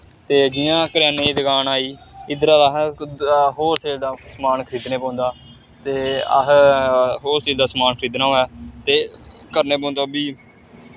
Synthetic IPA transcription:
t̪eːd͡ʒɪjãːkəɾjaːneːd̪əɡaːnaːiːɪd̪ɾaːd̪aːɦ | ɦoːɾseːld̪aːsmaːnkʰɾiːd̪neːpãːnd̪aː | t̪eːəɦ | ɦoːɾseːld̪aːsmaːnkʰɾiːd̪nãːɛːt̪eː | kəɾneːpãːnd̪aːbiː

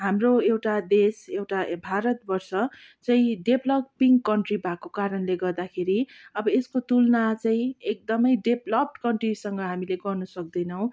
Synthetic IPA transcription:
ɦamroewʈad̪esewʈabʱaɾʌt̪bʌrsʌ | t͡saĩɖeblʌppːiŋɡkʌɳʈribakokaɾʌnleɡʌrd̪akʰeɾiʌbʌeskot̪ulnat͡saĩek̚d̪ʌmʌjɖeblʌp̚ʈkʌɳʈrisʌŋɡʌɦamileɡʌrnʌsʌk̚d̪ʌjnʌw̃

